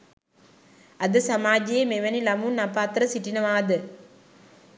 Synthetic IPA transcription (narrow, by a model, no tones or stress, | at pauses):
ɐd̪əsamaːd͡ʒejemeʋænilɐmunapaːt̪ɾəsiʈinəʋaːd̪ə